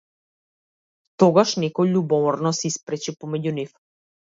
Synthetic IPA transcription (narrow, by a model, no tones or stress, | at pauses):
t̪ɔɡaʃnɛkɔjʎubɔvɔɾnɔsɛispɾɛt͡ʃipɔmɛɟunif